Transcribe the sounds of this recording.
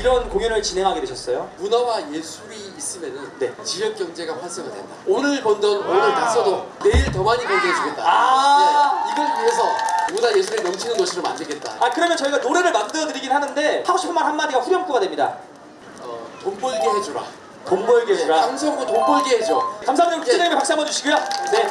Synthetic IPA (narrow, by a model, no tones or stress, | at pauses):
iɾʌnkoŋjunɯɭt͡ɕinɦe̞ŋɦaɡedweɕʰʌs͈ʌjomunawaje̞sʰuɾiːs͈ɯmjʌnɯnne̞t͡ɕijʌk̚k͈jʌŋd͡ʑe̞ɡaɸaɭs͈eŋɡadwḛndaonɯɭpʌndʌnonɯɭas͈ʌdone̞iɭt̬ʌmaɲipoɭɡeed͡ʑuɡet͈̚a̰aeiɡʌnkues̬ʰʌudaje̞s̬ʰuɾenʌmt͡ɕʰinɯnɡʌɕʰiɾoma̰ndɯɭɡe̞t̚t͈a̰akɯɾʌmjʌnt͡ɕʌiɡanoɾe̞ɾɯɭmandɯɾʌdɯɾiɡinɦanɯnde̞haɡoɕʰi̥pʰːɯmanhanmːadiɡaɸuɾjʌmk͈uɡadwe̞mɲida̰ | ʌ̰tomp͈oɭɡiɦe̞d͡ʑoɾa̰ | tombʌɭɡeɦed͡ʑuɾaaŋs̬ʰʌŋɡotoŋp͈oɭɡihed͡ʑokamsʰaːmiɲikut͡ɕeɲaŋimepaks͈amʌd͡ʑuɕʰiɡujone